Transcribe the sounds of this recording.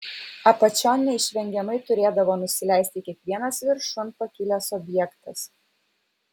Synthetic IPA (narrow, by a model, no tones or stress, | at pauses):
ɐpɐt͡ʃʲɔːnʲnːʲɛɪʃʲʋʲɛŋʲɡʲɛmɐɪt̪ʊɾʲeːd̪ɐʋoːnʊsʲɪlʲɛˑɪsʲt̪ʲɪkʲiɛkʋʲiɛnɐsʋʲɪɾʃʊnpɐkʲɪlʲɛsɔbʲjɛkt̪ɐs